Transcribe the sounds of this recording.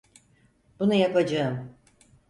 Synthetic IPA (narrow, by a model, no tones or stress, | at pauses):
b̥unajakad͡ʒaɯm